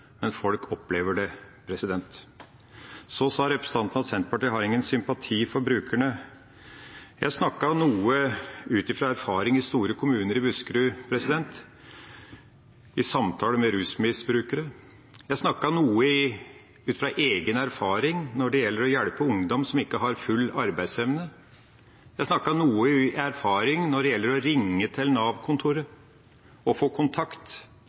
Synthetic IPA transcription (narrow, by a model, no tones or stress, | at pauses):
mɛnfɔlkʰɔpːleːʋəɖɛpʰɾɛsɪd̪ɛnt̪ | sɔsɑːɾɛpɾəsət̪ʰɑnt̪nɑsɛnt̪əpɑʈiːɦɑɾɪŋːənsʏmpɑt̪ʰiːfɔɾbɾʉːkʰæɳə | jæsnɑkːɑnuːəʉːt̪ɪfɾɑæɾfɑːɾɪŋɪst̪uːɾəkʰʊmʉːnəɾɪbʉskɾʉːpʰɾɛsɪd̪ɛnt̪ | ɪsɑmt̪ʰɑːləmɛɾʉːsmɪsbɾʉːkəɾə | jæɪsnɑkːɑɳuːə | ʉːt̪fɾɑʔeːɡənæɾfɑːɾɪŋnɔɖɛjɛlːəɾɔjɛɽpəʊŋd̪ɔmsɔmɪkːəɦɑɾfʉlːɑɾbæɪd̪sɛʋnə | jæɪsnɑkːɑnuːəæɾfɑːɾɪŋnɔɖɛjɛlːəɾɔɾɪŋːət̪ʰɪlnɑːʋkʰʊnt̪ʰʊɾə | ɔfoːkʰʊnt̪ʰɑkt̪